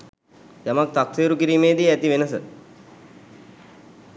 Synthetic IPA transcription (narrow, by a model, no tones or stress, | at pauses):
jamak̚t̪akseːɾukiɾiːmeːd̪iæt̪iʋenəsə